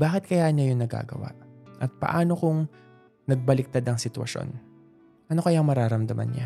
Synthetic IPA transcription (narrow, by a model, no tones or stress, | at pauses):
baːkɪt̪̚kɐjaːhnːɐjʊŋnɐɡa̰ːɡɐ̰wa̰ʔʔɐt̪̚pɐ̰ʔaːno̞kʊŋ | nɐɡ̚bɐlɪk̚t̪ad̪ɐŋsɪt̪wɐ̰ʃo̞̰n | ʔɐno̞kɐjaŋmɐɾaːɾɐmd̪ɐmʔa̰nɲa̰